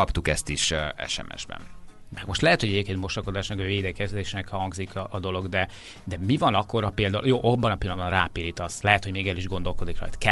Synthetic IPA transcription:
ɒpt̪ukɛst̪iʃɛ̰ʃɛ̰mʔɛ̰ʒbɛ̰n | mɛɡmo̞ʃt̪lɛɦɛt̪ho̞ɟɛɟeːp̚keːnmo̞ʃoko̞d̪aːʃnɛkɒveːd̪ɛkɛzd̪eːʃnɛkhɒŋɡzikʰɒʔːd̪o̞lo̞ɡd̪ɛ | d̪ɛmivɒnɒkːo̞ɾɒpeːld̪aujoːʔobːɒnɒpilːɒnd̪bɒnraːpiɾit̪ɒst̪lɛɦɛt̪ho̞ɟmeːɡɛliʒɡo̞nd̪o̞lko̞d̪ikrɒ̰jt̪kɛ

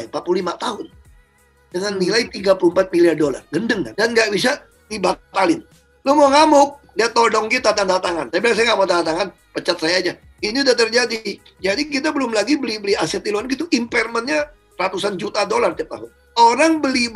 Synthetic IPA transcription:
impat̪̚pululimat̪aɦʊn | dəŋanːilait̪iɡapulumpat̪̚miliardola̰rɡəndəŋka̰ndanɡaʔbis̬a | dibat̪alɪn | lomoŋamʊk̚ | diat̪odɔŋkit̪at̪andat̪aŋant̪apilaŋsajaŋamat̪adat̪aŋan | pət͡ʃat̪̚sajaːd͡ʒa | iniudat̪ərd͡ʒadi | d͡ʒadik̬it̪abəlʊmlaɡibəlibəliasɛt̪ilowanɡit̪uʔimpɛrmənɲa | rat̪usand͡ʒut̪adolart̪iap̚t̪a̰ɦʊn | oɾaŋbəlib

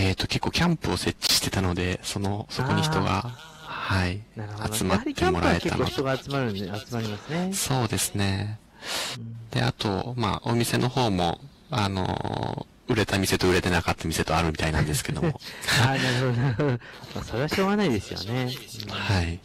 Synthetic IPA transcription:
eːt̪ːo̞ke̞kːo̞ːkʲãmpɯ̟ose̞t͡ɕːi̥ɕi̥t̪e̞t̪ano̞d̪e̞so̞no̞so̞ko̞ɲ̟içi̥t̪o̞ɡa̰ | hainaɾɯad̪t͡sɨmat̪ːẽmo̞ɾaɾeket̪a̰nooç̥t̪oɡaːt͡sɨmaɾɯat͡sɨmaɾʲimasɨneso̞ːd̪e̞sɨne̞ | d̪̥e̞̰a̰t̪o̞̰ma̰omʲise̞nʔo̞ho̞ːmo̞̰ | ano̞̰ | ɯ̟ɾe̞t̪amʲise̞t̪o̞ɯɾe̞t̪e̞nakat̪ːamʲise̞t̪o̞aɾɯ̟mʲit̪ainãnd̪e̞sɨ̥ke̞d̪o̞mo̞aːnaɾɯ̟hod̪nɾɯomasoɾeaɕo̞ːɡanaid̪e̞sɨjo̰ne̞hai

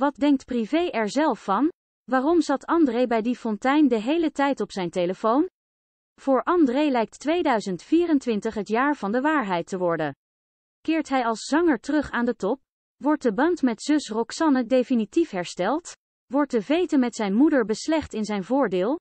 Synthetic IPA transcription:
ʋɑt̚dɛŋk̚tprivejʔɛɹzɛlˠfːɑn | ʋaːrɔmzɑtɑndrejbɛjdifɔntɛjndəɦejlətɛjtɔpsɛjntejləfown | v̥ʊːɹʔɑndrejlɛjk̚tːʋejdœɥzəntfiːrəntʋɪntəχɦətjaːɹv̥ɑndəʋaːɹɦɛjtəʋɔɹdən | kɪːɹtɦɛjɑlˠsz̥ɑŋəɹtərɵχaːndətɔp̚ | ʋɔɹt̚dəbɑntmɛtz̥ɵsrɔksɑnədejfinitifɦɛɹstɛlˠt | ʋɔɹt̚dəvejtəmɛtsɛjnmudəɹbəslɛχtɪnzɛjnvʊːɹdɪːlˠ

